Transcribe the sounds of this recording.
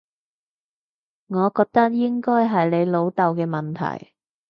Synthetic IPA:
ŋɔː˨˧kɔː˧k̚t̪ɐ˥k̚jɪ˥ŋkɔː˥jɦɐ˨jne˨˧jlo˨˧wt̪ɐ˨wkɛː˧mɐ˨˩nt̪ʰɐ̰˨˩j

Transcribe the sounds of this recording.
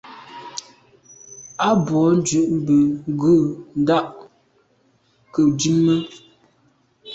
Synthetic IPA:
a˦bwɔ˨˦n̩˦d͡ʒʉ˨ʔm˦bə˨˦ɡʉ˦˨n˦da˦ʔ | kə˨d͡ʒʉ˦mːə˦

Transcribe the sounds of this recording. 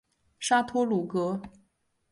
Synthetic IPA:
ʂa˥t̪ʰwɔ˥lu˨˩kɤ˧˥

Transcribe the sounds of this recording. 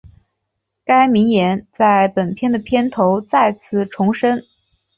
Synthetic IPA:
ka˥ɪmi˧˥ŋjɛ˧˥nt͡sa˥˩ɪpə˨˩npʰjɛ˥˩nd̪ə˩pʰjɛ˥nt̪ʰo˧˥ʊt͡sa˥˧ɪt͡sʰɹ̩˥˩ʈ͡ʂʰʊ˧˥ŋʂə˥n

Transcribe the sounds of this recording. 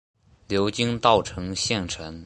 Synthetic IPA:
ljo˧˥ʊt͡ɕi˥ŋt̪ɑ˥˩ʊʈ͡ʂʰɤ˧˥ŋɕjɛ˥˩nʈ͡ʂʰwə˧˥n

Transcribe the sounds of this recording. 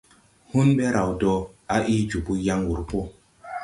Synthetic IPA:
hu˦nɓe˦ɾa˨wdɔ˦ | a˦ʔi˦d͡ʒu˨bu˦ja˦ŋɡu˨ɾpo˦

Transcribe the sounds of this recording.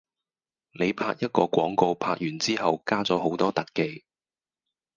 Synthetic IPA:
ne˨˧jpʰa̰ː˧k̚jɐ˥t̚kɔː˧kʷɔː˨˥ŋko˧wpʰaː˧k̚jyː˨˩nt͡siː˥ɦɐ˨wkaː˥t͡sɔː˨˥ɦo˨˥wt̪ɔː˥t̪ɐ˨kːe˨˧j

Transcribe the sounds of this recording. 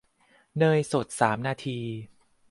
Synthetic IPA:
nɤː˧jso˨˩t̪̚saː˩˦mnaː˧t̪ʰiː˧

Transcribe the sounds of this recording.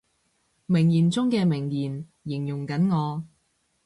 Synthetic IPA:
mɪ˨˩ŋjiː˨˩nt͡sʊ˥ŋkɛː˧mɪ˨˩ŋjiː˨˩n | jɪ˨˩ŋjʊ˨˩ŋkɐ˨˥nŋɔː˨˧

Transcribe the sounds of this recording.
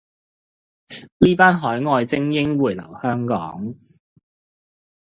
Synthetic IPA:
liː˥paː˥nɦɔː˨˥jŋɔː˧jt͡sɪ˥ŋjɪ˥ŋwuː˨˩jlɐ̰˨˩whœː˥ŋkɔ̰ː˨˥ŋ

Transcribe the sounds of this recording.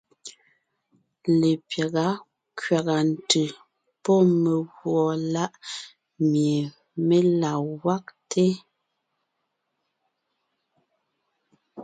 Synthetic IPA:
le˨pja˨ɣa˨˦ | kɥa˨ɣa˨n̩˨tʉ˨ | pɔ˦me˨ɣwɔ˨la˦ʔ | mje˨ | me˦la˨wa˦k̚tʰe˦

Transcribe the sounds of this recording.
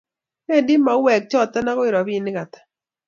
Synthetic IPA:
ɛ˦˨dɪ˦ma˨˦wɛ˨k̚t͡ʃɔ˦˨t̪ɛ˦na˦ɣɔ˦ɪ˨ɾɔ˨βi˦˨nɪ˦ka˨t̪ḁ˨

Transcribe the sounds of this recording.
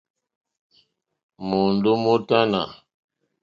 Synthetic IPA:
mo˨ndu˦mo˦ta˦na̰˨

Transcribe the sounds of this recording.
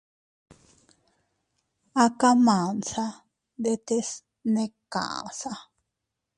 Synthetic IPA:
a˦ka˦mãː˨nsa˦ | d̪e˦t̪e˦s | nẽ˦kã̰˨ʔa̰˨sa˦

